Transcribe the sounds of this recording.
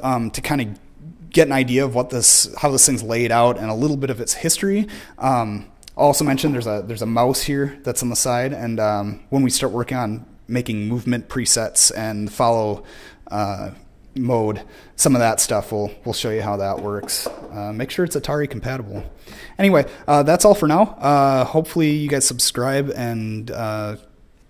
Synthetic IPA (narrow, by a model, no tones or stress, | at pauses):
ʌ̃mtʰɨkʰãɪ̃ndɨ | ɡ̥ɛɾɨ̃naɪdiɨʌvwʌt̪̚ðɪshaʊðɪsθɪ̃ŋzleɪɾaʊɾɨ̃nəlɪɾl̩ˠbɪɾʌvɨtshɪstɹ̥iʔʌ̃m | aɪɔlˠsoʊmɛ̃nʃɨ̃nðə˞zɨðə˞zəmaʊshiɹðɨtsn̩ðəsaɪɾɨ̃nʌ̃mwə̃nwistɑɹt̚ʔ̚wɜ˞kɪ̃ŋə̃n | meɪkɪ̃ŋmuvmɨ̃npʰɹ̥isɛtsɨ̃nðəfɑlˠoʊʌ | moʊd | sʌ̃mʌvðətstʌfwɪlˠwɪlˠʃoʊjɨɦaʊðəʔwʔɜ˞ksʌmeɪkʃʊɹɨtsɨtʰɑɹikʰm̩pʰæɾəbl̩ˠ | ɛñiweɪʔʌðætsɔlˠfə˞naʊʔʌhoʊpfl̩ˠijɨɡaɪz̥səb̥skɹaɪbɨ̃nʌ